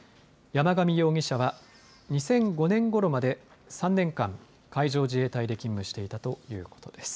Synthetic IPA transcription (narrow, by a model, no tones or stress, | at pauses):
jamaɡamʲijo̞ːŋʲiɕaβa | ɲ̟isẽ̞ŋɡo̞nẽ̞ŋɡo̞ɾo̞mad̪e̞sãnːẽ̞ŋkãŋ | kaiʑo̞ːʑie̞ːt̪aid̪e̞kʲĩmːɯ̟ɕi̥t̪e̞it̪at̪o̞jɯ̟̰ːko̞̥t̪o̞d̪̥e̞sɨ̥